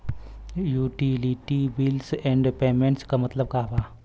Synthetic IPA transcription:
juːʈiliʈibilsɛ̃ɳɖpeːmẽɳʈskamɐt̪ləb̚kaːbaː

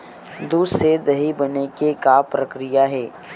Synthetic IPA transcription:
d̪used̪ɐɦibɐnekekapɾɐkɾɪjaɦɛː

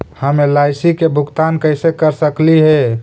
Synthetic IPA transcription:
həmelaɪsikebʱʊkt̪ankəɪsekəɾsəkliɦɛ

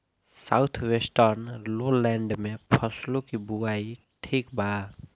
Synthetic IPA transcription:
sawt̪ʰwesʈʌrnloleɳɖmepʰʌslokibuaj | ʈʰikbʱa

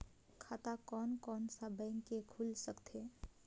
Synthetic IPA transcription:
kʰat̪akɔnkɔnsabəɪŋkekʰulsəkt̪ʰe

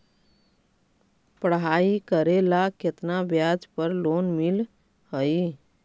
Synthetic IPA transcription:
pəɽɦaikəɾelaket̪nabjad͡ʒpəɾlonmil | həi

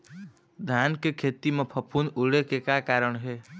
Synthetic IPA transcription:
d̪ʱjaːnkekʰeːt̪imẽpʰəpʰunʊɽekekakaːɾəɳɦeː

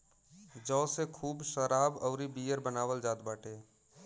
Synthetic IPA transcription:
d͡ʒɔːsekʰuːbʃəɾaːbəʊɾibiːjəɾbənaːʋəld͡ʒaːt̪baːʈʰe

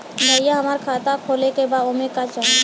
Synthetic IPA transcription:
bʱəjaɦəmaːɾkʰaːt̪akʰoːlekebad̪omekat͡ʃəl

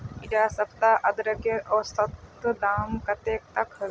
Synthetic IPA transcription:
ɪd͡ʒaːsɐpt̪aʔɐd̪ɾəkeʔɔːɾsɐt̪d̪aːmkɐt̪eːk̚t̪ɐkɐ

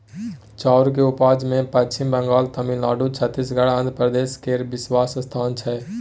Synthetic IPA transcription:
t͡ʃaːʊɾk̬eupaːd͡ʒmẽpət͡ʃimbə̃ŋɡaːlt̪əmĩlaːɖut͡ʃʰət̪ːisɡəɽə̃nd̪ʱɾəpɾəd̪eːskeɾbɪswaːsəst̪ʰaːnt͡ʃʰɛ

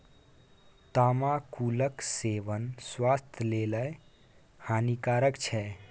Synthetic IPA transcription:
t̪amakuləkseʋənswast̪ʰleləj | hanikaɾəkt͡ʃʰɛ

